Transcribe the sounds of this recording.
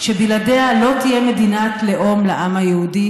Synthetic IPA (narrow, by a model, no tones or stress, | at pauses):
ʃebiladealo̞t̪ijemed̪inatleʔomlaʔamajehudi